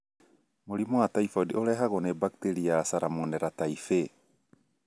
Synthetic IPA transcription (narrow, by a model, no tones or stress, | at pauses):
moɾimɔataifɔdioɾɛɦaɣonebak̚teɾiasaɾamonɛɾataife